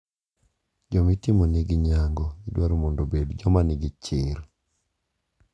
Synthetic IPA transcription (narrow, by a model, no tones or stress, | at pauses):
d͡ʒɔmitimoniɡiɲaŋɡɔidwaɾomɔndobedd͡ʒɔmanɪɡit͡ʃɪɾ